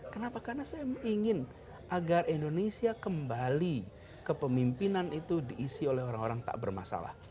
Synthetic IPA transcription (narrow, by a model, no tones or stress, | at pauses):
kənapakarnasajamiŋɪn | ʔaɡarindonesiakəmbali | kəpəmimpinanit̪udiʔːsiolɛhoɾaŋoɾaŋt̪a̰ʔbərma̰sa̰la̰h